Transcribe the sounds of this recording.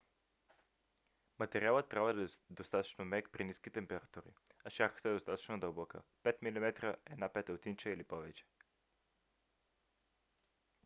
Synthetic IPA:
mat̪ɛɾialˠət̪ːɾʲabəd̪aɛd̪ost̪at̪o̥t͡ʃnomɛkpɾiniskit̪ɛmpɛɾat̪uɾḭaʃaɾxə̥t̪aɛd̪ost̪at̪o̥t͡ʃnod̪əlˠbɔkə̰pɛt̪milimɛt̪ɾəɛ̰napɛt̪ɛot̪int͡ʃɛilipɔvɛt͡ʃɛ̥

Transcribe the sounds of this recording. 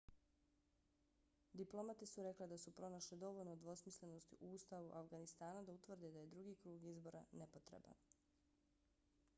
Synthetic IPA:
d̪iplˠo̞mat̪esuɾe̞kled̪asupɾo̞naʃled̪o̞ʋolnod̪ʋo̞smisle̞no̞st̪iʔuuːst̪aʋuʔafɡanist̪aːnad̪aut̪ʋr̩d̪ed̪aje̞d̪ɾuɡiːkɾuːɡizbo̞ːɾa̰nepot̪ɾḛba̰n

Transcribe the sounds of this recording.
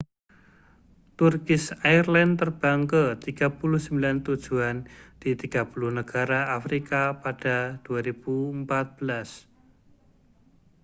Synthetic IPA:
t̪urkɪsairlant̪ərb̥aŋkət̪iɡ̥a̤pulʊhsəmbilant̪ud̥ʒ̥uand̪̥it̪iɡ̥apuluhnəɡ̥aɾaafɾikapad̥ad̪̥uaɾib̥umpat̪̚b̥əlas

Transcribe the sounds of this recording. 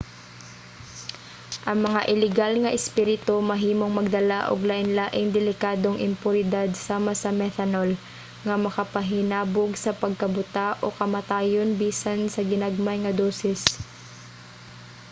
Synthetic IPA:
ʔɐŋmɐŋaʔɪlɪɡalŋɐʔɪspiːɾɪt̪omɐɦiːmoŋmɐɡ̚d̪ɐlaʔo̰ɡlaːʔɪnlaːʔɪŋd̪ɛlɪkaːd̪o̞ŋʔɪmpʊnɪd̪ad̪̚saːmɐsɐmɛt̪anol | ŋɐmɐkɐpɐɦɪnaːboɡsɐpɐɡ̚kɐbʊt̪aʔokɐmɐt̪aːjo̞nbiːsansɐɡɪnaɡ̚majŋɐd̪oːsɛs

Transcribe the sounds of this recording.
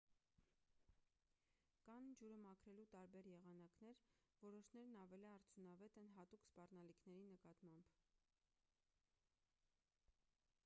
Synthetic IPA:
kɑnd͡ʒuɾəmɑkʰɾɛlut̪ɑɾbɛɾjɛʁɑnɑknɛɾvɔɾɔʃnɛɾnɑvɛliɑɾt͡sʰjunɑvɛt̪ɛnɦɑt̪ukspɑrnɑlikʰnɛɾinəkɑt̪mɑmb̥

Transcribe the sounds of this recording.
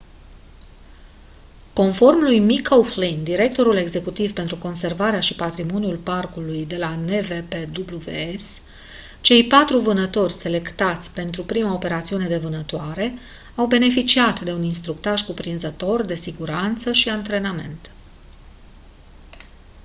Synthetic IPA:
ko̞nfo̞rmlujmikʰowflind̪iɾe̞k̚t̪o̞ɾule̞ɡze̞kut̪ivpe̞nt̪ɾuko̞nse̞rvaɾeaʃipat̪ɾimo̞njulparkulujd̪e̞lane̞veped̪ubluvḛes | t͡ʃe̞jpat̪ɾuvɨnət̪o̞rʲse̞le̞kt̪at̪sʲpe̞nt̪ɾupɾimaope̞ɾat̪siune̞d̪e̞vɨnət̪oaɾe̞ | awbe̞ne̞fit͡ʃiat̪d̪e̞uninst̪ɾuk̚t̪aʒkupɾinzət̪o̞rd̪e̞siɡuɾant̪səʃiant̪ɾe̞name̞̰nt̪

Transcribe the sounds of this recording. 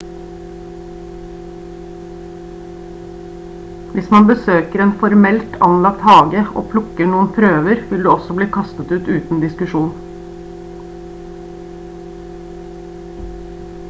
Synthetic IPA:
ʋɪsmɑnbəsøːkəɾeːnfɔɾmɛlt̪ʰɑ̰nlɑk̚t̪hɑːɡəo̰ːpʰlʊkəɳuːən̩pʰɾøːʋəɾʋɪld̪ʉːɔsɔbliːkʰɑst̪ət̪ʉːt̪ʉːt̪n̩d̪ɪskʉʃuːn

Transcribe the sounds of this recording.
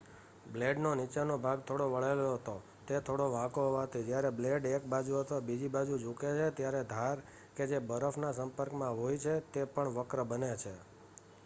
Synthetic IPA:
bleɖnonit͡ʃenobʱaɡt̪ʰoɽoʋəɭeloɦət̪o | t̪et̪ʰoɽoʋãkoɦoʋat̪ʰid͡ʒjaɾebleɖek̚bad͡ʒuɦət̪obid͡ʒibad͡ʒud͡ʒuket͡ʃʰet̪jaɾed̪ʱaɾ | ked͡ʒebəɾəfʰnasəmpəɾkmãɦojt͡ʃʰet̪epəɳʋəkɾəbənet͡ʃʰe

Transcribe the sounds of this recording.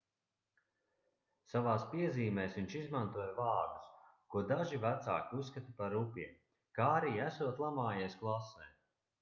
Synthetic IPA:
savaːspiɛziːmɛːsʋiɲʲt͡ʃizmant̪uɔjvaːɾd̪u̥skuɔd̪aʒivæt̪sa̰ːkʲiusːkat̪ipaɾupʲiɛm | kaːɾiːæsuɔt̪lˠamaːjɛjsklˠasɛːj

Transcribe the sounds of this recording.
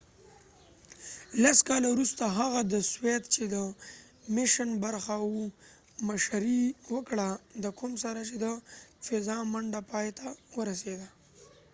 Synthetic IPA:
laskɑlawɾust̪aɦaɣad̪əswet̪t͡ʃed̪ə | mɪʃənbaɾxawu | maʃaɾiwəkɽad̪əkʊmsaɾat͡ʃed̪əfɪzɑmaɳɖapɑjet̪ʰawəɾased̪a

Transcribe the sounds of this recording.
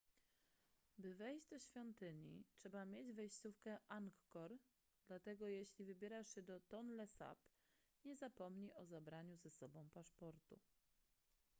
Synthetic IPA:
bɘvɛjd͡ʑd̪ɔɕfʲjɔnt̪ɘɲitʂɛbamʲjed͡ʑvɛjɕt̪sufkɛʔaŋkːɔɾ | d̪lat̪ɛɡɔjeɕlʲivɘbʲjɛɾaʂɛd̪ɔt̪ɔnlɛsa̰p | ɲɛzapɔmɲiʔɔzabɾaɲuzɛsɔbɔ̃w̃paʂpɔɾt̪ṵ

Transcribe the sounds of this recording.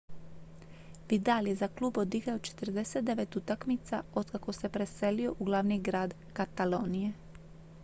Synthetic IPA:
ʋid̪aljezaklˠuːbod̪iɡaot͡ʃe̥t̪r̩d̪eset̪̚d̪eʋet̪ut̪akmit̪saod̪kako̞se̞pɾeselio̞ʔuɡlˠaʋniɡɾaːd̪ | kat̪aloːnije

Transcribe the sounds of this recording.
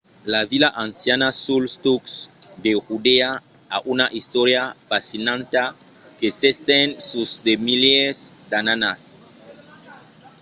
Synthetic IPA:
lavilaʔansjanasulst̪uksd̪exud̪ea | a̰ʔunaʔist̪oɾjafasinãnt̪a | kesest̪ensusd̪emilesd̪ananas

